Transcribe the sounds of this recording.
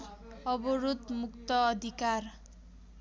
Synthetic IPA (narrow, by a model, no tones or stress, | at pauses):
ʌbɔɾut̪mukt̪ʌːd̪ʱikar